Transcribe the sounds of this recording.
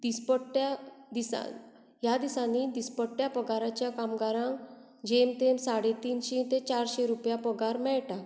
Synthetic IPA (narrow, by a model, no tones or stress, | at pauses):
d̪̥ispəʈːjad̪isa̰ | jad̪isanid̪ispəʈːjapɔɡaɾat͡ɕjakamɡaɾãŋk | d͡ʑemt̪emsaɽet̪iːnɕet̪et͡ɕaɾɕeɾupjapɔɡaɾmɛɭʈa